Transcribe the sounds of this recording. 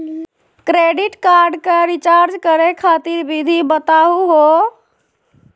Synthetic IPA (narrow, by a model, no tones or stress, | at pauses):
kɾeːɖɪʈkaɾɖkeɾit͡ʃaːɾd͡ʒkəɾekʰaːt̪iɾbid̪ʱibət̪aːɦuɦo